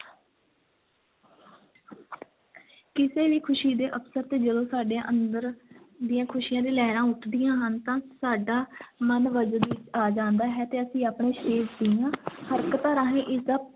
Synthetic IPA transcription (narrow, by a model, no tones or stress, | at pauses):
kɪseːʋiːkʰʊʃiːd̪eːʔəpsəɾt̪eːd͡ʒəlõːsaːɖẽʔənd̪əɾ | d̪ɪjãːkʰʊʃɪjãːd̪ẽːlɛːɾãːʊʈʰd̪ɪjãːɦənt̪ãːsaːɖaːmənʋəd͡ʒd̪iːaːd͡ʒãːnd̪aːɦɛːt̪eːəsĩːaːpɳeːʃeːzd̪ɪjãːhəɾkət̪ãːɾaɦẽːʔɪsə